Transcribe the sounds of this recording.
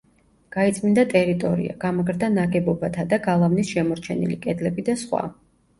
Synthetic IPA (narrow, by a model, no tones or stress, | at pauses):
ɡ̥ait̪sʼmind̪at̪ʼɛɾit̪ʼɔɾḭa̰ɡ̥amɔɡɾd̪anaɡɛbɔbat̪ʰad̪aɡalˠavnisʃɛmɔɾt͡ʃʰɛnḭlikʼɛd̪lɛbid̪asχwa̰